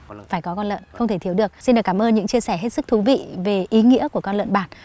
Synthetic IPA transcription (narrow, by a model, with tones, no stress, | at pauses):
faː˧˩jkɔ˨˦kɔ˧nlə̰ː˧˨xə˧wŋ͡mt̪ʰe˧˩t̪i˨˦wɗɨ˨˩ək̚si˧nɗɨ˨˩kaː˧˩mʔəː˧nɲɨ̰˧˥ŋt͡ɕi˧əsɛ˧˩ɦe˦˥t̚sɨ˦˥k̚t̪ʰu˨˦vḭ˧˨ve˨˩ʔi˨˦ŋḭ˧˥əku˧˩əkɔ˧nlə̰˧˨nɓaː˨˩n